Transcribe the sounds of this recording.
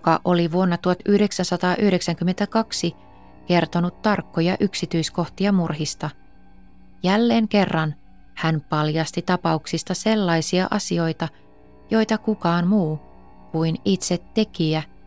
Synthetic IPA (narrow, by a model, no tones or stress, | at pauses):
jukɑʔo̞liʋuonːɑt̪uhɑt̪yhde̞ksænsɑt̪ɑːʔyhɾe̞ksæŋkymːent̪ækɑksi | ke̞rt̪o̞nut̪t̪ːɑrkːojɑʔyksit̪yisko̞ht̪iɑmurɦist̪ɑ | jælːe̞ːŋke̞rːɑn | hænpɑljɑst̪it̪ɑpɑuksist̪ɑse̞lːɑjsiɑ̰ʔɑsio̞jt̪ɑ | jo̞jt̪ɑkukɑːnmuː | kuinit̪set̪ːe̞kiæ